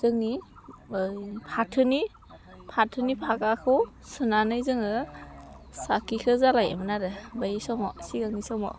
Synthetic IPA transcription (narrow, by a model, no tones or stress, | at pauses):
zɯŋni | jpʰatʰɯni | pʰatʰɯnipʰakakʰɯw | sɯnanɯjzɯŋɯ | sakikʰɯzalaj̰mɯnaɾɯbajisɔmɔsiɡaŋnisɔmɔ̰